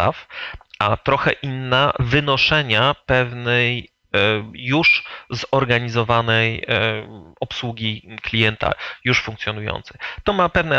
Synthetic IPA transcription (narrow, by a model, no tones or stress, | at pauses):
a̰fʔat̪ɾɔxɛʔinːavɘnɔʂɛɲapɛvnɛjː | uʂzɔɾɡaɲizɔvanɛj | ɔpswuɡʲiklʲijɛnt̪a̰juʂfuŋk̚t̪ʲjɔnujɔ̰nt̪sɛt̪ɔmapɛvnɛ